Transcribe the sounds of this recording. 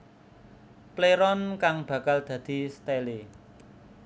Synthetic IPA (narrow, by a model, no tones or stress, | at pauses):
pleɾɔnkaŋb̥ä̤kald̪̥ä̤d̪̥i̤st̪ele